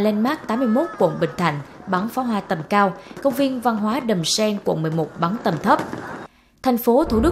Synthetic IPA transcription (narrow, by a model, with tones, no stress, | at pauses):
lɛ˧nmaː˦˥k̚t̪aː˨˦mɨ˧əjmo˦˥t̚kwṵ˧˨nɓï˧˨˩ŋ̟t̪ʰa̰˧˩jŋ̟ɓa˨˦nfaː˨˦ɦwaː˧t̪ə˨˩mkaː˧wkə˧wŋ͡mvi˧ənva˧nɦwaː˨˦ɗə˨˩msɛ˧nkṵ˧˨nmɨ˨˩əjmo˨˩t̚ɓa˨˦nt̪ə˨˩mt̪ʰə˦˥p̚ | t̪ʰa˨˩jŋ̟fo˨˦t̪ʰu˧˩ɗɨ˦˥